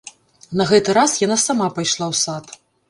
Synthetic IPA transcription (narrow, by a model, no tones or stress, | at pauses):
nɐɣɛt̪ɨɾasjanasamapajʂlˠawsat̪